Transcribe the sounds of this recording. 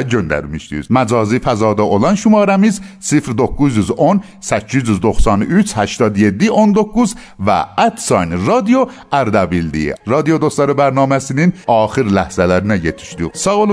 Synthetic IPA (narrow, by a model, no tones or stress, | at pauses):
d͡ʒønd̪æ̰ɾumiʃt̪ḭzmæd͡ʒɒːzifæzɒːd̪ɔʔolɑnʃumɑːɾæmizsifɾd̪okːuzuzon | sæt͡ʃʰːizuzd̪oxsɑnyt͡ʃʰhæʃt̪ɒːd̪jed̪ːiond̪okːuz | væ̰æt̪sɑjnɾɑd̪ijo | æɾd̪æbild̪ḭɾɑd̪ijod̪ost̪ɑɾobæɾnɑːmæsininɒːxiɾlæhz̥ælæɾinæjet̪ʰi̥ʃd̪isɑɣl